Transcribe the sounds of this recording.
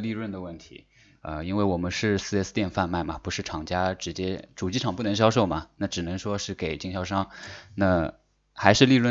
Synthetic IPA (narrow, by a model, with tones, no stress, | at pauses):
li˥˧ɻwə˥˩nd̪ə˩wə˥˩nt̪ʰḭ˧˥ | ə̰˧i˥nwe˥˩ɪwɔ˨˩mə˦nʂɻ̩˥˧sɹ̩˥˧ɛ˥st̪jɛ˥˧nfa˥˧nma˥˩ɪmɐ˩pu˧˥ʂɻ̩˥˩ʈ͡ʂʰɑ˨˩ŋt͡ɕja˥ʈ͡ʂɻ̩˧˥t͡ɕjɛ˥ʈ͡ʂu˨˩t͡ɕi˥ʈ͡ʂʰɑ˨˩ŋpu˥˩nɤ˧˥ŋɕjɑ˥ʊʂo˥˩ʊmɐ˩na˥˩ʈ͡ʂɻ̩˨˩nɤ˧˥ŋʂwɔ˥ʂɻ̩˥˩ke˨˩ɪt͡ɕi˥˧ŋɕjɑ˥˧ʊʂɑ˥ŋna˥˩ | xa˧˥ɪʂɻ̩˥˧li˥˧ɻwə˥˩